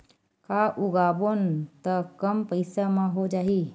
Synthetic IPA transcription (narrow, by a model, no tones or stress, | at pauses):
kaʔʊɡaːbont̪əkəmpəɪsamãɦod͡ʒaːɦi